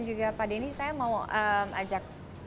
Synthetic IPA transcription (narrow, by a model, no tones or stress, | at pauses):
nd͡ʒuɡapadainisajamawʔəmʔa̰d͡ʒak̚